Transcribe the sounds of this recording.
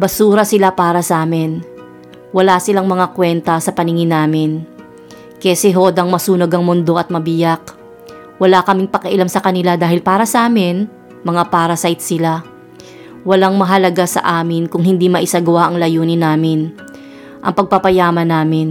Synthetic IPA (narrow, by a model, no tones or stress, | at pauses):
bɐsuːɾɐsɪlapaːɾɐsɐʔaːmɪn | wɐlasɪlaŋmɐŋakwɛnt̪ɐsɐpɐnɪŋɪnaːmɪn | kɛsɛɦoːd̪ɐŋmɐsuːnoɡɐŋmʊnd̪o̞ʔɐt̪̚mɐbɪjak̚ | wɐlakɐmɪŋpɐkɐʔɪlamsɐkɐnɪlad̪aːhɪlpaːɾɐsɐʔaːmɪn | mɐŋapaːɾɐsajt̪̚sɪla | wɐlaŋmɐɦɐlɐɡasɐ̰ʔaːmɪnkʊŋɦɪnd̪imɐʔɪsaɡɐwaʔɐŋlɐjuːnɪnaːmɪn | ʔɐ̰ŋpɐɡ̚papɐjaːmɐnaːmɪn